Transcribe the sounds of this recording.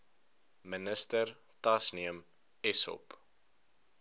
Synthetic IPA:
mənəstər | tɐsniəm | ɛsɔ̰p

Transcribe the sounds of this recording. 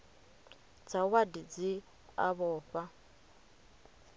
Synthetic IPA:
d͡zʰawadid͡zi | a̰βɔːɸa

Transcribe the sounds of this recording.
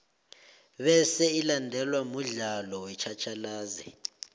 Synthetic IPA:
βɛsɛilandʱɛlwamuɮalɔwɛt͡ʃʰat͡ʃʰalaːzɛ̰

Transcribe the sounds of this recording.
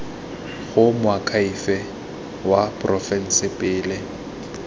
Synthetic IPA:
ɣʊmʊakʰaifɛ | wapʼrɔfɛn̩sɪpʼɪːlɪ

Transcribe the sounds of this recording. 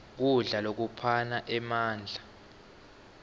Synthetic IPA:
k̬uɮalok̬upʰanaʔɛmaːnd͡ɮʱa

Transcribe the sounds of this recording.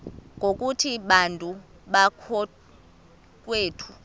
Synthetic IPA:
ŋɡʱokʼutʰiɓantʼu | ɓakʰɔ | k̬ʼweːtʰu̥

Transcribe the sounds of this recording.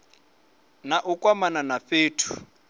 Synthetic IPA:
naʔʊkʼwamananafeːtʰu̥

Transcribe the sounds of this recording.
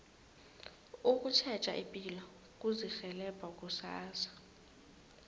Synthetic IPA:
uk̬ʼut͡ʃʰɛt͡ʃʼa̰ʔipʼila | k̬ʼuzixɛlɛb̥ʱak̬ʼusaːsḁ

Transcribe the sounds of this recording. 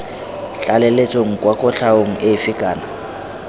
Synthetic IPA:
ɬalɛlet͡sʼoŋ̩kʼwakʼʊɬʰaoŋ̩ɪfikʼaːna

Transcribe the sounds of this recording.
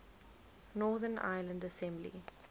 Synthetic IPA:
nɔːðəna̰ɪlə̃ɳɖəsɛ̃mblḭ

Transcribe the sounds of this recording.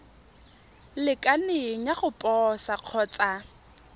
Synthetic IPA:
lɪkʼanɪŋ̩jaχʊpʼɔsaq͡χʰɔːt͡sʼa

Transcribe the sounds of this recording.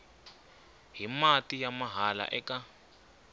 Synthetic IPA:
ɦimatʼijamaɦala̰ʔɛka

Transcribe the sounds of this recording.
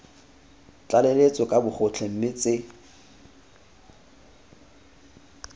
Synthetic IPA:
t͡ɬʼalelet͡sʼɔkʼabʊχʰʊt͡ɬʰem̩mɪt͡sʼɪ

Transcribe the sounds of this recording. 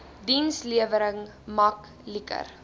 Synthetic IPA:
dinsliəvəɾəŋ | mɐk | likə̰r

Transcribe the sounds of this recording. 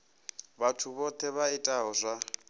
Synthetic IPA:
βatʰuβɔt̪ʰɛβaitʼaɦɔzʷa

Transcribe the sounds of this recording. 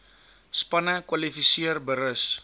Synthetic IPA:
spɐnəkwɐlifisiərbəɾəs

